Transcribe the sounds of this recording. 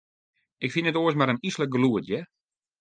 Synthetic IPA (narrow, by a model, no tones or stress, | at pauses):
ɪkfinətoəsmaɾənislək̚ɡluətjɛ